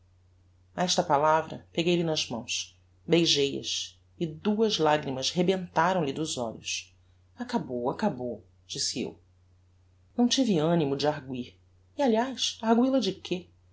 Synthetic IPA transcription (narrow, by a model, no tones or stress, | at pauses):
aɛʃt̪ɐpalavɾɐ̰peɡejlɪnɐzmɐ̰̃w̃s | bejʒejɐ̰s | ɪd̪uɐzlaɡɾimɐshebẽnt̪aɾɐ̃w̃lid̪ʊzɔ̰ʎʊ̰s | akabowakabow | d͡ʒisiḛw | nɐ̃w̃t͡ʃiviɐ̃nimʊd͡ʒɪaɦɡwiɾ | ialiajsahɡwilɐd͡ʒɪkʰe